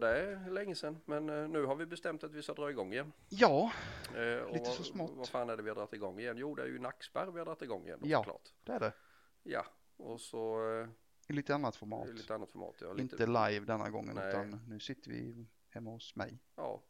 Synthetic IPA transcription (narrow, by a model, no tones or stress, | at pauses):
d̪ɛælɛŋːəsɛnːmɛnːʉ̟ːɦaɾvɪbɛst̪ɛmt̪at̪vɪskad̪ɾɑːɪɡɔŋːɪjɛnː | jɑː | lɔiːəfœsmɔtvaɾfaːnæɖɛvɪhad̪ɾat̪ːɪɡɔŋːɪjɛnːjuːd̪ɛæ̰jɵ̰naksbæɾvɪhad̪ɾat̪ːɪɡɔŋːɪ̰jɛ̰njaklɑ̰ːʈd̪̥ɛæɖɛ | ja̰ | ɔsɔ | ɪliːt̪əanːat̪fɔɾmɑ̰ːtliːt̪əanːat̪fɔɾmɑ̰ːt̪jɑ̰lɪnt̪əlajvd̪ɛnːa̰ɡɔ̰ŋːə̰nʉt̪anːʉ̟ːsɪt̪ʰːəɾvɪ̰ | hɛmːahʊsmɛ̰j | ɑ̰ː